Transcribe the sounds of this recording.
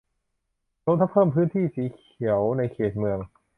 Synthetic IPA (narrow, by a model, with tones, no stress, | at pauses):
ɾo˧˥t̪ʰa˦˥pʰːɤː˥˩mpʰɯː˦˥nt̪ʰiː˥˩siː˨˩˦kʰi˩˦əwna˧jkʰeː˨˩t̪̚mɯ˧əŋ